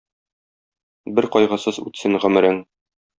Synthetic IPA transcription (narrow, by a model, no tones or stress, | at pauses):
bɘɾqɒjʁɤ̆sɤzʉ̰t̪sɘŋʁɵ̆mɘ̆ɾɘŋ